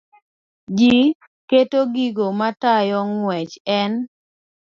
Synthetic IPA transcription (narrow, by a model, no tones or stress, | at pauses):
d͡ʒi | ketoɡiɡomatajɔŋwɛt͡ʃɛn